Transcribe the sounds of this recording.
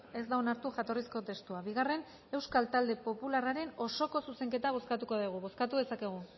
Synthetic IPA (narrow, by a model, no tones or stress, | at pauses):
e̞zd̪aonaɾt̪uʝat̪o̞risko̞t̪e̞st̪uaβiɣ̞are̞n | e̞wskalt̪ald̪e̞po̞pularaɾe̞no̞so̞ko̞suse̞ŋke̞t̪aβ̞o̞skat̪uko̞ðiɣ̞uβo̞skat̪uðe̞sake̞ɣ̞u